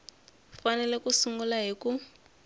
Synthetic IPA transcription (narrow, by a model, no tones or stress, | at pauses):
fanɛlɛkusuŋɡulaɦiku